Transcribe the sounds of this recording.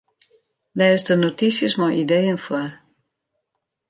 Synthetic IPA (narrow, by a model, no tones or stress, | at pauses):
dɛːsdənotisjəsmɔjʔideːənfwar